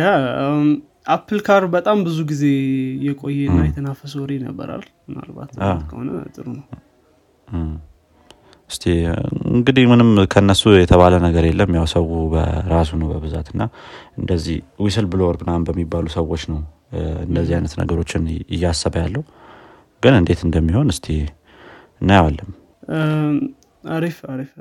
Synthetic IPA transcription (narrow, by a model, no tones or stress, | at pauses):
ja | ʔapʰːɨlkʰaɾbət̪ʼambɨzuɡize̞jɛkʼo̞jːɛɨnːajɛt̪ʰənafəsoɾinə̰bːə̰ɾa̰l | mɨna̰lba̰t̪at̪kʰəho̰nə̰t̪ʼɨɾunəw | ɨst̪ʰeɨ̰ŋɡɨd̪ihmɨnɨmkʰəɨnːəsujɛt̪ʰəβalənəɡəɾelːəmːjawsəwubə̰ɾas̬unəwbəβɨzat̪ɨnːaɨnd̪əzːihwisɨlbɨloɾbɨnambəmːibːalusəwːo̞t͡ʃːnəw | ɨ̰nd̪əzːihajnət̪nə̰ɡəɾo̞t͡ʃːɪnɪ̰jːasːəβajalːəhu | ɡ̥ɨnɨnd̪e̞t̪ɨnd̪əmːiho̞nɨst̪ʰe | ɨnːajwalːɨm | aɾifaɾif